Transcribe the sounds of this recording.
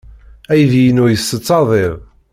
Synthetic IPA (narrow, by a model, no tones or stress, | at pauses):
æjðijənʊɾjəsːət͡sːɑðˤeð